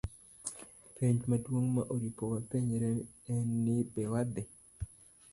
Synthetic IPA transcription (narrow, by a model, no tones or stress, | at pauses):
pʰeɲd͡ʒmadwoŋmaʔoɾipowapeɲeɾe | enːɪbɛwad̪ɪ